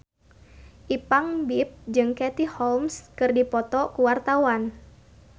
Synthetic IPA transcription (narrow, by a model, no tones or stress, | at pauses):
ʔipaŋbip̚d͡ʒɨŋkɛt̪ihɔlmskɨrdipɔt̪ɔkuwart̪awan